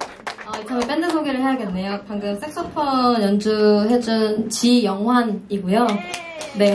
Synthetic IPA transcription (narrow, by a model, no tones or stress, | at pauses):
ʌit͡ɕʰamep͈e̞ndɯsʰoɡiɾɯɭɦe̞ɦaɡe̞nːe̞jopaŋɡʌks͈ʰe̞k̚s͈opʰʌjʌnd͡ʑuɦe̞d͡ʑunt͡ɕijʌŋɦwaniɡujo | ne̞